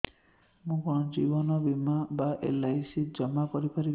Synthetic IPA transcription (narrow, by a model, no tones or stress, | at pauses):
mũkɔnɔd͡ʒibɔnɔbimabaʔḛlajsid͡ʒɔmakɔɾipaɾi